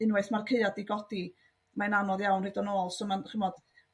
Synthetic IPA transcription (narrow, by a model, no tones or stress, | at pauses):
ɪnwɛθmarkʰeɨadiɡɔd̥i | maɛnanɔðjawnredɔnoːlˠsɔmanχɪmɔd̥